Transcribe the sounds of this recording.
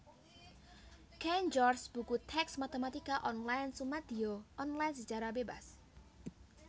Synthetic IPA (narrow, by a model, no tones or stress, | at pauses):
kɛnd͡ʒɔrsb̥ukut̪ʰɛksmat̪emat̪ikaʔɔnlajnsumad̪̥ioʔɔnlajnsəd͡ʒaɾabeba̰s